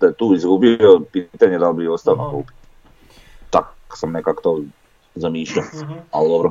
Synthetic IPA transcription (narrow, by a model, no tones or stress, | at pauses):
d̪ajet̪uːizɡubiopit̪aɲed̪albiost̪aʋnokuːpi̥t̪ | t͡ʃak | samnekako̥t̪oː | zamiːʃʎaaud̪obɾo